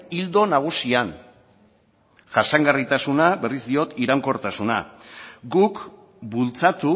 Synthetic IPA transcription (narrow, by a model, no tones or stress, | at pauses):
ild̪o̞naɣ̞usian | ʝasaŋɡarit̪asunabe̞rizd̪io̞t̪iɾaŋko̞ɾt̪asuna̰ɡuk | bult͡sat̪u